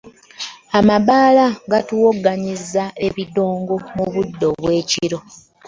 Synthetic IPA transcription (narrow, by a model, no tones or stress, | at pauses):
amaβaːlaɡatuwoɡːaɲizːaʔe̞βido̞ːŋɡo̞muβudːo̞βwe̞ːciɾo̞